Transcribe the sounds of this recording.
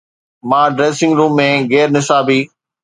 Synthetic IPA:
mãːɖɾeːsɪ̃ŋɡɾũːmːẽɣɛːɾnɪsaːbiː

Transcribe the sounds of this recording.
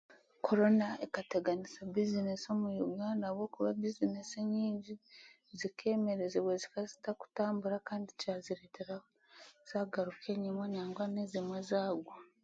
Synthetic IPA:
kʰo̞ɾo̞naekateɡanisabizineso̞mujuɡaːndaβwo̞kuβabizineseɲiːɲɟi | zikʰe̞ːme̞ɾezeβwezikazi̥taku̥taːmbuɾakaːndicaziɾeːtʰeɾa | z̥aːɡaɾukʰe̞ɲimwaɲaːŋɡwanezimwezaːɡwo

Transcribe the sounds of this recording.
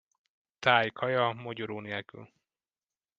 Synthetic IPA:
t̪aːjkhɒjɒmoɟoɾoːneːlky̰l

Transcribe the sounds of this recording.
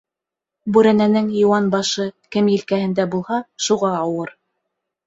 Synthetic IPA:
bʉɾænænɘŋjŏwɑnbɑʃɤkɘmjĭlkæhɘ̆nd̪æbulˠhɑʃuʁɑːwɤɾ

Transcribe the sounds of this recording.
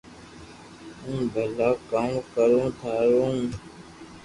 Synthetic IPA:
ũːbʱəlaːkaːmkəɾõːt̪ʰaːɾõː

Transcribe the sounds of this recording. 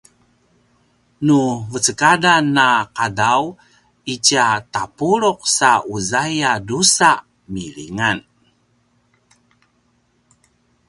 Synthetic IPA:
nuvət͡səkadanːaqadaw | it͡ʃat̪apuɾuq̚sauzajadusa | milḭŋan

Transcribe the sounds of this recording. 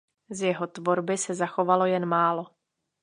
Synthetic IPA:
zjɛɦo̞t̪vo̞ɾbɪsɛzaxo̞valo̞jɛnmaːlo̞

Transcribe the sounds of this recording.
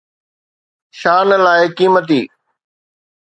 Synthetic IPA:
ʃaːnlaːɪkiːmət̪iː

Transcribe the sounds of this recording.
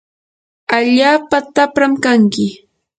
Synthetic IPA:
aʎaːpat̪apɾamkaŋkɪ

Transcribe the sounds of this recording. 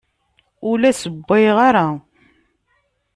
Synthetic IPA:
ʊlæsəbːɪjʁaɾˤa

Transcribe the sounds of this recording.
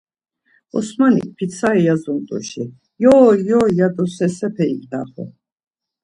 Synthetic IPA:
ɔ̰smanḭk̚pʰit̪sʰaɛjazunt̪ʼṵʃi | jɔːjɔːjad̪ɔsɛsɛpʰɛḭkd̪a̰χɔ̰

